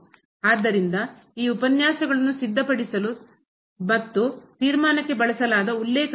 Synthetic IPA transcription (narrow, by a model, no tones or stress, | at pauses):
aːd̪ːɐɾind̪ɐ | iːupɐnjaːsɐɡɐɭɐnːusid̪ʱːɐpɐɽisɐlu | mɐt̪ːut̪iːɾmaːnɐkːe̞bɐɭɐsɐlaːd̪ɐulːeːk